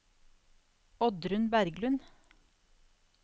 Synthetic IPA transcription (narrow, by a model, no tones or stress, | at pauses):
ɔd̪ɾʉnbæɾɡlʉn